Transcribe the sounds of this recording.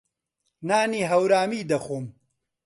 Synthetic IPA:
naːniːɦɐwɾaːmiːd̪ɐxoːm

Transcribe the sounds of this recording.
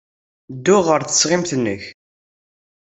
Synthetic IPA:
d̪ːʊʁəɾθə̥sʁɪmθənːəç

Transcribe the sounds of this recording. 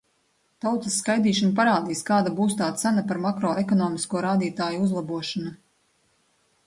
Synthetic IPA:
t̪awt̪ɐsːkajd̪iːʃanp̬aɾaːd̪iːskaːd̪abuːst̪aːt̪sanapaɾmakɾɔːekɔnɔːmiskuɔɾaːd̪iːt̪aːjuuzlˠabuɔʃana

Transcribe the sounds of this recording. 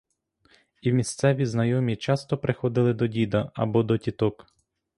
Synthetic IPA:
iwmʲist̪sɛʋʲiznɐjɔmʲit͡ʃɑst̪ɔpɾɪxɔd̪ɪlˠɪd̪ɔdʲid̪ɐɐ̰bɔd̪ɔtʲit̪ɔk

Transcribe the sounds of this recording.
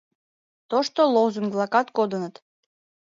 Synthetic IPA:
t̪oʃt̪olˠowzuŋɡblˠɑkɑt̪kod̪ə̆nət̪

